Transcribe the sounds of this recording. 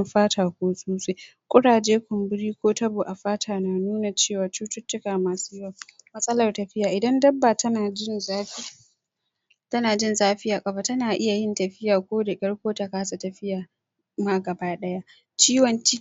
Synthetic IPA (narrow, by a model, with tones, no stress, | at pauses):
ɸaː˦tʰaː˨kʷoː˦suː˦se˦jkʷʼʊ˦ɽaː˨d͡ʒeː˦kʷʊ˨mbɪ˦ɽiː˦kʷoː˦tɐ˦boː˨ʔa˨ɸaː˦tʰaː˨naː˨nuː˦na˨t͡ʃeː˦˨waː˨t͡ʃuː˦tʊ˦t͡ʃːʊ˦kaː˨maː˨suː˦jwa˦˨mɐ˦sʼɐ˦lɐ˨rtɐ˨ɸɪ˦jaː˨ʔɪ˨dɐ˦ndɐ˦bːaː˨tɐ˦naː˨d͡ʒɪ˦nz | tɐ˦naː˨d͡ʒɪ˦nzaː˦ɸɪ˦jaː˨kʼɐ˨ba˦tɐ˦naː˨ʔɪ˦ja˨jɪ˦ntɐ˨ɸɪ˦jaː˨kʷoː˦da˨kʲʼɐ˦ɽkʷoː˦ta˨kaː˦sa˨tɐ˨ɸɪ˦jaː˨ | maː˦ɡɐ˨baː˦ɗɐ˦ja˦ | t͡ʃiː˦wɐ˨nt͡ʃi˦